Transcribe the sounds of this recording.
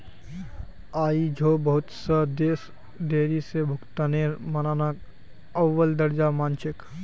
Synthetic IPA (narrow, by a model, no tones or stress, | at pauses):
aːid͡ʒʱobəɦut̪səd̪eːs | d̪eːɾisebʱʊkt̪anemənanak | əʋːəld̪əɾd͡ʒamaːnt͡ʃɪk